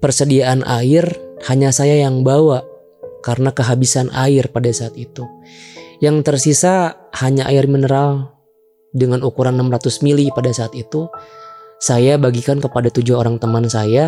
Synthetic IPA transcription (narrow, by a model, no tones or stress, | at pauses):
pərsədiaʔanʔaɪrhaɲasajajaŋbawa | kaɾənakəɦabisanʔa̰ɪrpadasaːt̪it̪u | jaŋt̪ərsisa | haɲaʔa̰ɪrminəɾal | dəŋanukuɾanːamrɾat̪ʊsmilipadasaːt̪it̪u | sajabaɡikankəpadat̪ud͡ʒuoɾaŋt̪əmansaja